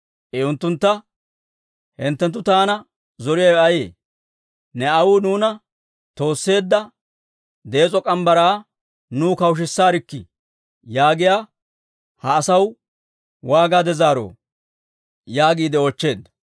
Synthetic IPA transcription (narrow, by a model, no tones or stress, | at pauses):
ʔɛʊnt̪ːʊnt̪ːɐ | hɪnt̪ːɛnt̪̬ːʊt̪aːnɐ | zɔɾɪjɐjɐjḛː | nɛɐwuːnuːnɐ | t̪o̞ːsːe̞ːd̪ːɐ | d̪eːt͡sʼɔkʼɐmbɐɾaː | nuːkɐwʃ̬ɪsːaːɾɪkːɪ̰ | jaːɡɪjaː | hɐːsɐw | waːɡaːd̪ɛzaːɾo̰ː | jaːɡiːd̪ɛoːt͡ʃːe̞ːd̪ːɐ̥